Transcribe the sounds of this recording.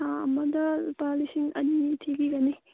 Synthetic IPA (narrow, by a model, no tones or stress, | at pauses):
ɐmɐdɐpalisiŋɐ̰nitʰeɡiɡɐni